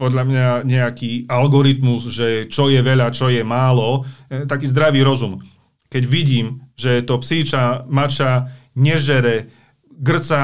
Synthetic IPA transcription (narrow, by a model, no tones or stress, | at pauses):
pɔd̪ʎamɲaɲɛakiːalɡɔɾit̪muzʒɛt͡ʃɔjɛʋɛʎat͡ʃɔjɛmaːlɔt̪akiːzd̪ɾaʋiːɾɔzum | kɛɟʋiɟiːmʒɛt̪ɔpsiːt͡ʃamat͡ʃaɲɛʒɛɾɛ | ɡr̩t͡sa